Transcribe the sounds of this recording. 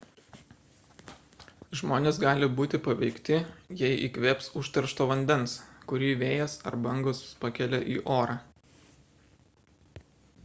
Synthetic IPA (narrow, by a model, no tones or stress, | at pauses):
ʒmoːnʲeːsɡɑːlʲɪbuːt̪ʲɪpɐʋʲɛɪkt̪ʲɪjɛɪʔḭːkʋʲeːpsʊʃt̪ʲɐɾʃt̪oːʋɐnʲd̪ʲɛnskʊɾʲiːʋʲeːjɛsɐ̰ɾbɐŋɡoːspɐkʲɛlʲɛʔiːʔoːɾɑ